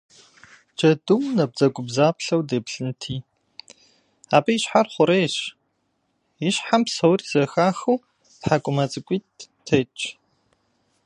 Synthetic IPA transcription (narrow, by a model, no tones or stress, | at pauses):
d͡ʒɐdumnɐb̚d͡zɐɡʷʼʊbzaːpɬɐwdeːpɬɨntʰiː | aːbɐjiɕħarχʷʊɾeːɕ | ɪɕħampsɐwriz̥ɐxaːxɨw | tħakʷʼʊmɐt͡sʼɨkʷʼiː | tʰet͡ʃʼ